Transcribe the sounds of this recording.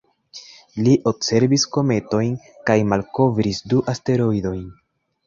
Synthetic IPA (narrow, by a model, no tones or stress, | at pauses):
liʔo̞bse̞ɾbisko̞me̞to̞jn | kajmalko̞vɾisduʔaste̞ɾo̞jdo̞jn